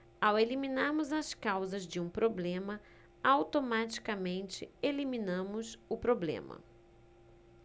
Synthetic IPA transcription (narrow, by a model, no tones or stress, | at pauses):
aweliminaɾmʊzɐskawzɐzd͡ʒɪũpɾoblẽmɐ | awt̪omat͡ʃi̥kɐmẽnt͡ʃɪelimĩnɐ̃mʊsʊpɾoblḛ̃mɐ̰